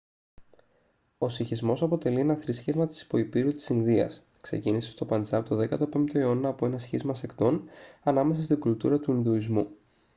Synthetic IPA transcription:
o̞siçizmo̞sɐpo̞t̪e̞lie̞nɐθɾisçe̞vmɐt̪i̥si̥po̞ipiɾut̪i̥sinðiɐ̰s | kse̞̰cinisest̪o̞pɐnzɐt̪oðe̞kɐt̪o̞pe̞mt̪eeo̞nɐːpoe̞nɐsçizmɐse̞kt̪o̞nɐnɐme̞s̬ɐst̪iɡult̪uɾɐt̪uinðuizmu

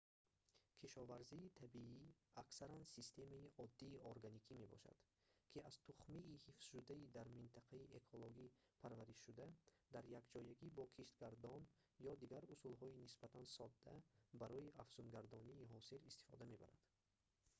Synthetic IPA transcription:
kʰiʃɔvaɾziːt̪ʰabiiaksaɾansist̪ʰe̞maiʔɔd̪ːiːoɾɡanikʰime̞bɔ̰ʃa̰d̪̥ | kʰiaz̥t̪ʰuχmiʔːhifz̥ʃud̪aid̪aɾmint̪ʰaqʰaiʔekʰɔloɡipʰaɾvaɾiʃʃud̪ad̪aɾjakd͡ʒɔjaɡibɔkʰiʃt̪ɡaɾd̪ɔn | jɔd̪iɡaɾusulɦɔinisb̥at̪ʰansɔd̪ːæbaɾɔiʔafz̥unɡaɾd̪ɔniːɦɔsilist̪i̥fɔ̰d̪ame̞ba̰ɾa̰d̪̥

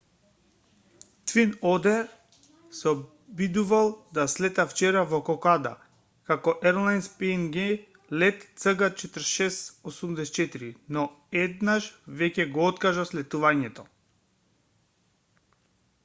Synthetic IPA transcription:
t̪vinɔd̪ɛɾ | sɛɔ | bid̪uvalˠd̪aslɛt̪aft͡ʃɛɾavɔkɔkad̪a̰ | kakɔʔɛɾlˠajnspɛnɡɛ | lɛt̪t̪səɡat͡ʃɛt̪əɾʃɛsosumd̪ɛsɛt̪t͡ʃɛt̪iɾinɔ | ɛd̪naʃvɛcɛɡɔɔt̪kaʒaslɛt̪uvaɲɛt̪ɔ

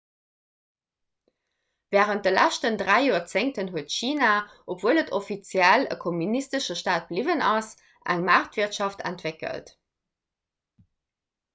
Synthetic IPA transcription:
vɛːʁənt̚dəlæʃtəndʁæɪjuːɐt͡seŋtənɦuətʃiːna | ʔopvuələtʰofit͡sjælə̰kʰomynistəʃəʃtaːt̚b̥livənɑs | ʔæ̰ŋmaːʁtviɐtʃɑftʰæ̰ntvekə̰lt

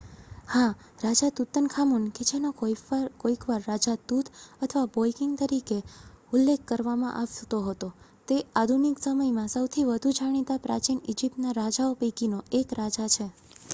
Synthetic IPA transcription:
hã | ɾad͡ʒat̪ut̪ənkʰamunked͡ʒenokoikʋaɾːad͡ʒat̪ut̪ʰət̪ʰəʋabojkiŋɡ̚t̪əɾikeulːekʰːəɾʋamã̰ʔaʋt̪oɦət̪o | t̪ead̪ʱuniksəməjmãsəwt̪ʰiʋəd̪ʱud͡ʒʱaɽ̃it̪apɾa̰t͡ʃinid͡ʒip̚ʈnaɾad͡ʒaopəjkinoekɾad͡ʒat͡ʃʰe

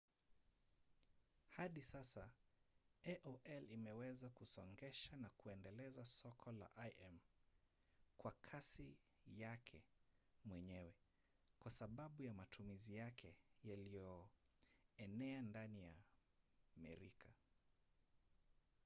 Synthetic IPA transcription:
haɗisasa | ɛʔɔʔɛlimɛwɛzakusɔŋɡɛʃanakuɛndɛlɛzasɔkʰɔla̰ʔajʔɛm | kwakʰasi | jakʰɛ̰mwɛɲɛwɛ | kwasaɓaɓujamatʰumizijakʰɛjalijɔ | ɛnɛandanija | mɛ̰ɾikʰa

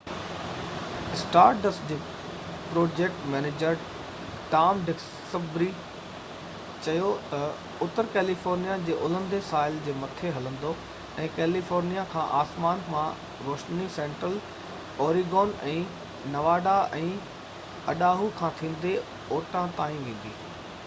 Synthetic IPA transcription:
ɪsʈaːɾʈəsd͡ʑeː | pɾoːd͡ʑeːk̚ʈmɛːneːd͡ʑəɾ | ʈaːmɖɪk | səbɾi | t͡ɕɐjot̪ɐ | ʊt̪əɾkɛːlifoːɾnijad͡ʑeːʔʊlə̃nd̪esaːɪld͡ʑeːmɐt̪ʰeɦɐlə̃n̆d̪o | ɛ̃ːkɛːlifoːɾnijakʰãːʔaːsmaːnmʰã | ɾoːʃnisẽːɳʈɾəl | ɔːɾiɡɔːnɛ̃ː | nɐʋaːɖaʔɛ̃ː | ɐɗaːɦukʰãːt̪ʰĩːn̆d̪e | oːʈãt̪aːĩʋẽːn̆d̪ḭː

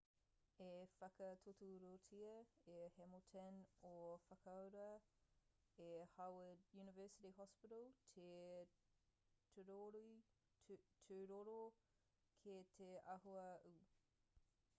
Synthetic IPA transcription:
efɐkɐtʰotuɾotʰiɐehɛmotʰenofɐkʰɐwɾɐ | ehawədjʉnɪvɜːsɪɾiɦɔspɪɾəlˠtʰe | tʰuɾoɾi | tʰʉɾoɾo | kʰetʰeʔɐɦoɐu

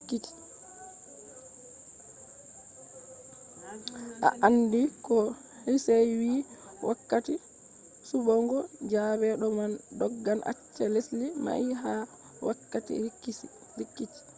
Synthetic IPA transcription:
kːiti̥ | ʔa̰ʔandikɔ | hisajwiː | wʔakːati | subɔŋɡɔd͡ʒaːβɛɗɔmandɔɡːanʔa̰t͡ʃːɛleslima̰iɦa | wakːatḭi | ɾikːiti̥

